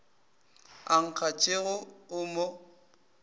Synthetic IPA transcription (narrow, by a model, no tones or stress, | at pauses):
aŋ̩k͡xʰat͡ʃʼeɣʊʊmo